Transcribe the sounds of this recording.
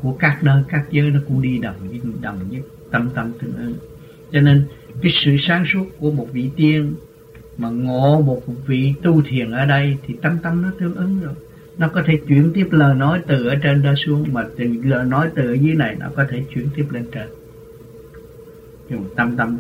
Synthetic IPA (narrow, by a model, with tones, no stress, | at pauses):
ku˧˩əkaː˦˥k̚ɗəː˧jkaː˦˥k̚zəː˨˦jnɔ˨˦kʊ̰˧˥ŋ͡mɗi˧ɗə˨˩wŋ͡mɗə˨˩wŋ͡mɲɨ˦k̚ | t̪ə˧mt̪ə˧mt̪ɨ˧əŋʔɨ˨˦ŋ | t͡ɕɔ˧ne˧nkaː˨˦jsɨ̰˧˨saː˨˦ŋsu˦˥ət̚ku˧˩əmo˨˩t̚vḭ˧˨t̪i˧ən | maː˨˩ŋo˧˨mo˨˩vḭ˧˨t̪u˧t̪ʰi˨˩ənʔəː˧˩ɗə˧jt̪ʰi˨˩t̪ə˧mt̪ə˧mnɔ˨˦t̪ɨ˧əŋʔɨ˨˦ŋzo˨˩j | nɔ˨˦kɔ˨˦t̪ʰe˧˩t͡ɕwi˧˩ənt̪i˦˥əp̚ləː˨˩jnɔ˨˦jt̪ɨ˨˩ʔəː˧˩t͡ɕe˧nza˧su˨˦əŋmaː˨˩tɨ˨˩ləː˨˩jnɔ˨˦jt̪ɨː˨˩˨e˨˦na˨˩jnɔ̰˨˦kɔ˨˦t̪ʰe˧˩t͡ɕwi˧˩ənt̪i˦˥əp̚le˧nt͡ɕe˧n˧˨˩ | t̪ə˧mt̪ə˧m